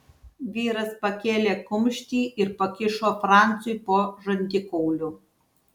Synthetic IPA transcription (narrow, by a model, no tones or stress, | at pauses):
ʋʲiːɾɐspɐkʲeːlʲeːkʊmʲʃʲt̪ʲiːʔɪɾpɐkʲɪʃoːfɾɑˑnt̪sʊɪpoːʒɐnʲd̪ʲɪkɔʊlʲu